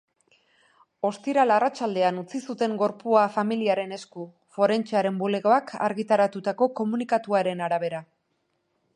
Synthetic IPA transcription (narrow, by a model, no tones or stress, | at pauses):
o̞st̪iɾalarat͡ʃald̪e̞anut͡sisut̪e̞ŋɡo̞ɾpuafamiliaɾe̞ne̞sku | fo̞ɾe̞nt͡ʃeaɾe̞mbule̞ɣo̞akʰa̰ɾɣit̪aɾat̪ut̪ako̞ko̞munikat̪uaɾe̞naɾaβe̞ɾa